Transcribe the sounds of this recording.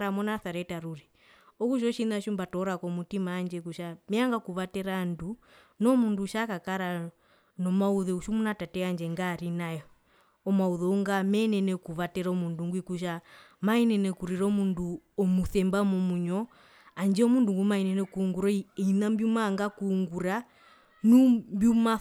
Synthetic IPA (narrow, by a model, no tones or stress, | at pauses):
ɾamɔnaθaɾɛtaɾuɾi | ɔkuʃ̬ɔʃinaʃumbatɔɾakɔmutimaːnd͡ʒɛkuʃamɛaŋɡakuβatɛɾandu | nɔmunduʃakakaɾa | nɔmauðɛuʃumunatatɛand͡ʒɛŋɡaɾinajɔ | ɔmauðɔuŋɡamɛnɛnɛkuβatɛɾɔmunduŋɡwikuʃ̬a | mainɛnɛkuɾiɾɔmunduɔmuθɛmbamɔmuɲɔ | and͡ʒɛɔmunduŋɡumainɛnɛkuːŋɡuɾɔiinambjumaːŋɡakuŋɡuɾa | numbjuma